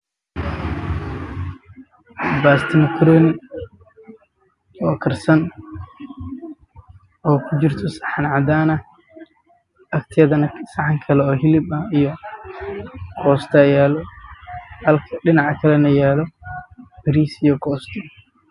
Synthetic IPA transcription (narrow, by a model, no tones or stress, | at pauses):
baːst̪ʰɪmɐkʰɾɔːnɪ | ɔːkʰɐrsɐn | ɔːkʰʊt͡ʃɪrt̪ʰɔsɐħɑnʕɑd̪aːnɐ | ɐkt̪ʰɪjɐðɐnsɐħɑŋkʰɐlɛɔːɦɪlɪbɐijɔ | kʰɔːst̪ʰɐjaːlɔ | hɐlkʰɐɖɪnɑʕkʰɐlɛnɐjaːlɔ | b̥ɪɾiːsijɔkʰɔːst̪ʰɔ